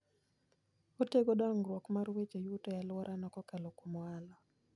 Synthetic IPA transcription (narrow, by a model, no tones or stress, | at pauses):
oteɡodɔŋɡɾwokmarwet͡ʃojutɔjalwɔɾʔanɔkɔkalokumwalɔ